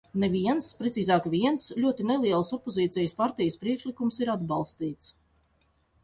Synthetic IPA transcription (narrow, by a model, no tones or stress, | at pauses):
neviɛnspɾɛsiːzɑːkvʲiɛnslʲuɔt̪inelˠiɛlˠsɔpːɔziːt̪sʲɛjəspaɾt̪ɛjəspɾiɛkʃlˠikumsiɾad̪balˠst̪iːt̪s